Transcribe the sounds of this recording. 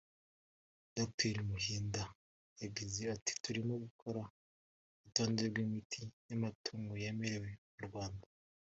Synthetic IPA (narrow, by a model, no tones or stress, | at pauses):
d̥ok̚tʰeɾimuhiːnda | jabɟize̞ati̥tuɾimo̞ɡukʰo̞ɾa | utoːndeɾɡwimitʰinamatʰuːŋɡojeme̞ɾe̞we̞muɾɡwaːnda